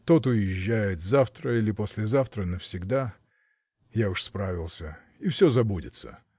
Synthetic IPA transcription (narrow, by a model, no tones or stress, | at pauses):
t̪o̞t̪ʊjɪʑːæjɪt̪zaft̪ɾəilʲɪposʲlʲɪzaft̪ɾənəfsʲɪɡd̪a | jaʊʂspɾavʲɪlˠsʲə | ifsʲɵzɐbudʲɪ̰t̪sə̰